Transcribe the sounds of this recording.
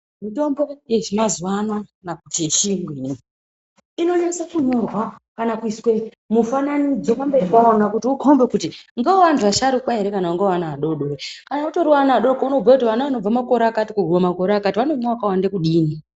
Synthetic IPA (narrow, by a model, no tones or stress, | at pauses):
mito̞mbo̞je̞ʐimazwanwanakuteʃiŋɡwini | ino̞ɲanisakuɲo̞rwakanakuiswe | mufananid͡zokambepaonakutiukʰombe̞kutiŋɡaoʋantaʃaɾukwaɦe̞ɾe̞kanauŋɡewanaːɗo̞ɗorekanauto̞ɾiwaanaaɗookauno̞b͡vakutiʋanaʋano̞b͡vamako̞ɾeakatikuɡʱumamako̞ɾeakatiʋano̞maʋakawandekuɗiːni